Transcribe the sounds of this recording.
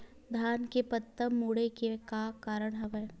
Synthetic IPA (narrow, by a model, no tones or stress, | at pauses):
d̪ʱaːnkepət̪ːəmːuːɽekekakaːɾəɽ̃ɦɐʋɛː